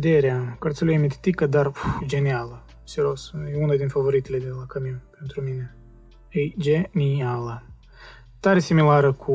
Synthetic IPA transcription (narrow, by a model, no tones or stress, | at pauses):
d̪eɾeakart̪sʲeluijemet̪et̪ikəd̪arud͡ʒe̞nialə | seɾo̞sjeunad̪infavo̞ɾit̪ele̞d̪e̞lakamiwpe̞nt̪ɾumine̞ | ed͡ʒenialə | t̪aɾesimilaɾəkʰu